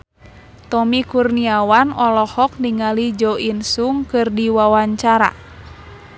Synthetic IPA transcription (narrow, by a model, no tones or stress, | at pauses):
t̪ɔmikurniawanɔlɔhɔk̚niŋalid͡ʒɔinsuŋkɨrdiwawaɲt͡ʃaɾa̰